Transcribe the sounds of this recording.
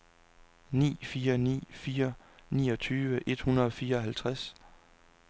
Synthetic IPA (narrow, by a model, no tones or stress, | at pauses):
nḭːfiːɐnḭːfiːɐ | nḭːɒ̽t͡sʰyːʋəʔe̝d̥hunɐðˠɒ̽fiːɐɒ̽ɦælt͡sʰʁas